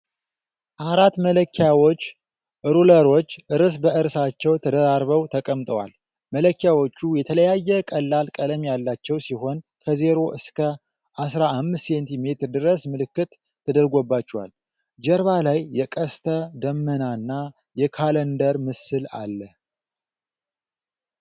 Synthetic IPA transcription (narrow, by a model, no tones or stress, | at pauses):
ʔaɾat̪mələkʰːjawot͡ʃː | ʔɨɾuləɾo̞t͡ʃːʔɨɾɨs̬bəʔɨɾsat͡ʃːɛwt̪ʰəd̪əɾaɾβəwt̪ʰəkʼəmt̪ʼəwa̰l | mələkːjawo̞t͡ʃːujɛt̪ʰələjajːɛkʼəlːalkʼələmjalːat͡ʃːɛwsiho̞nkʰəze̞ɾo̞ʔɨskʰə | ʔasɾaʔːmːɨssent̪ʰime̞t̪ɨɾd̪ɨɾəsmɨlɨkːɨt̪ʰː | əd̪əɾɡo̞bːat͡ʃːɛwa̰l | d͡ʒəɾβalajːɛkʼəst̪ʰəd̪əmːənanːa | jɛkʰalənd̪əɾmɨsɨla̰lːəh